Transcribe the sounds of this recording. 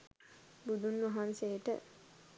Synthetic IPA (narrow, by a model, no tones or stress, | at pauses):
bud̪unːʋɐɦansejʈə̰